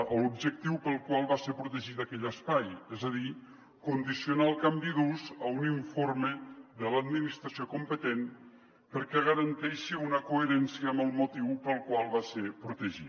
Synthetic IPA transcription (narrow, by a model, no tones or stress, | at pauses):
əlubʒək̚t̪iwpəlˠkwalˠβaseɾpɾut̪əʒit̪akɛʎəspajɛzəði | kund̪isjiunaəlˠkambiðuzəuniɱfoɾmeðələd̪minist̪ɾasiokumpət̪en | pəɾkɛɣəɾənt̪ɛʃiunəkueɾɛnsiəːmbəlˠmut̪iwpəlˠkwalˠβasepɾut̪əʒi